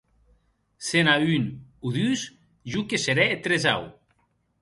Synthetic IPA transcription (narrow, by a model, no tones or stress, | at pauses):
senaynuðys | ʒukeseɾɛet̪ɾeza̰w